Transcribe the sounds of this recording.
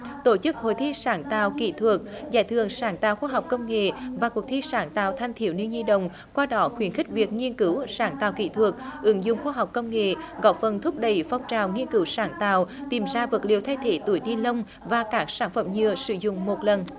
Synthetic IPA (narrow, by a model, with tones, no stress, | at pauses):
t̪o˧˩t͡ɕɨ˦˥k̚ho̰˧˨jt̪ʰi˧saː˧˨˦nt̪a̰ː˧˨wkḭ˧˨t̪ʰwə˨˩k̚zaː˧˩jt̪ʰɨ˧˨əŋsaː˨˦nt̪aː˨wxwaː˧ɦa˨˩wk͡p̚kə˧wŋ͡mŋḛ˧˨vaː˨˩ku˨˩ək̚t̪ʰi˧saː˧˩˦nt̪a̰ː˧˨wt̪ʰa˧jŋ̟t̪ʰi˧˩əwni˧nzi˧ɗə̰˧˨wŋ͡m | kwaː˧ɗɔ˨˦xwi˧˩ənxï˦˥k̟̚vi˨˩ək̚ŋi˧ənkɨ˨˦wsaː˨˦nt̪aː˨wkḭ˧˨t̪ʰwə˨˩k̚ʔɨ˨˦ŋzʊ̰˧˨ŋ͡mxwaː˧ɦa˨˩wk͡p̚kə˧wŋ͡mŋḛ˧˨ɣɔ˧˥fə˨˩nt̪ʰʊ˦˥p̚ɗə˨˩jfa˧wŋ͡mt͡ɕaː˨˩wŋi˧ənkɨ˨˦wsaː˧˦nt̪a̰ː˧˨wt̪i˨˩mzaː˧və˨˩t̚lḭ˨əwt̪ʰa˧jt̪ʰe˧˦t̪u˧˩əjɗi˧lə˧wŋ͡m | vaː˨˩kaː˦˥k̚saː˧˩nfə̰˧˩mɲɨ˧˨əsɨ̰˧zʊ̰˧˨ŋ͡mmo˨˩t̚lə˨˩n